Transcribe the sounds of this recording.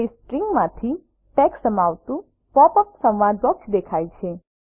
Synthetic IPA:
esʈɾiŋɡmãt̪ʰi | ʈɛksəmaʋt̪ũ | pɔpəpsə̃wʋad̪bɔksd̪ekʰajt͡ʃʰe

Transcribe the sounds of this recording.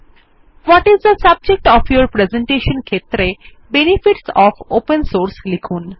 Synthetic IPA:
ʋɔʈizd̪əsəb̚d͡ʑek̚ʈɔfjoɾpɾezẽɳʈeʃənkʰet̪ɾe | benifiʈsɔfopənsoɾslikʰuːn

